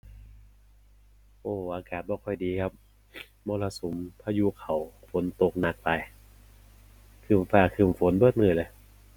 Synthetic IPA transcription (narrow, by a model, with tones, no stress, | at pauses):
ʔoː˧˩ʔaː˧kaː˨˩t̪̚bɔː˧kʰɔ˧˨˩jdiː˨˧kʰa˦˥p̚ | mɔː˧˨la˧su˨˦mpʰaː˧juː˧˥kʰa˨˩wfo˨˦nt̪o˧k̚na˧˩k̚pa˧j | kʰɯː˨˩mfaː˧˩kʰɯː˨˩mfo˨˦nbɤː˧˩t̪̚mɯː˧˩˨lɤː˧˦j